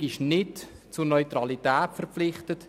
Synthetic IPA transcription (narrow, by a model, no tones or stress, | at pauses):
ɪʃnɪtt͡sʊɾnœʏtɾɑlitɛːtfərpflɪχtət